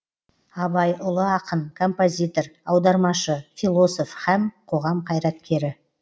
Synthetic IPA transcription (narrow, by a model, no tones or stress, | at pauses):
ɑbɑjʔʊlˠəɑqəɴkʰo̞mpo̞zʲijt̪o̞ɾɑwd̪ɑɾmɑʃəfilˠo̞so̞fhæmqʰo̞ʁɑmqʰɑjɾɑt̪̚kʲe̞ɾɪ